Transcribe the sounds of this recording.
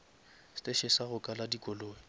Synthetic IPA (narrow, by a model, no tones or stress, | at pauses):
stʼeʃɪsaɣʊkʼaladikʼɔloːɪ